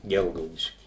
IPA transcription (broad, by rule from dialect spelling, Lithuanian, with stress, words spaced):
ˈɡʲɛlˠɡɐʊdʲɪʃʲkʲiː